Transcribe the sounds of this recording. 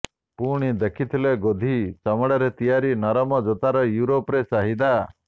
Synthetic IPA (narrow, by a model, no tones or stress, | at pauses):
puɽ̃id̪ekʰit̪ʰileɡod̪ʱisamɔɽaɾet̪ijaɾinɔɾɔmɔd͡ʒot̪aɾɔjuɾopɾesaɦid̪a